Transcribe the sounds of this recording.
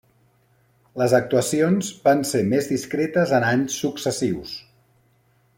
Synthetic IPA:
ləzək̚t̪uəsionzbanseɾmezðiskɾet̪əzənaɲsːuksəsiws

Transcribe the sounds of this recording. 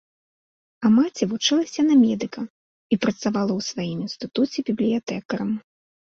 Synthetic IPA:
ɐmat͡sʲɛvut͡ʂɨlˠɐsʲɐnɐmʲɛd̪ɨkɐ | ipɾɐt̪savalˠɐwsvajiminst̪ɨt̪ut͡sʲɛbʲiblʲijat̪ɛkɐɾɐm

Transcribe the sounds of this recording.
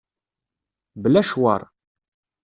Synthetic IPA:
bəlæʃwɑ̰ɾˤ

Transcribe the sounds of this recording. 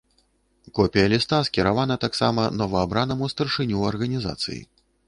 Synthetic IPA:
kɔpʲijɐlʲist̪askʲiɾavanɐt̪aksamɐnɔvɐabɾanɐmust̪ɐrʂɨnʲuɐrɣɐnʲiza̰t̪sɨ̰jḭ

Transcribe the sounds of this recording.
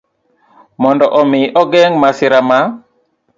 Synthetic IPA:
mɔndɔʔɔmɪʔɔɡɛŋmasɪɾama

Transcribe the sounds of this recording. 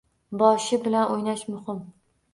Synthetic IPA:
bɒʃɪbɪlanʔojnaʃmʊhɪm

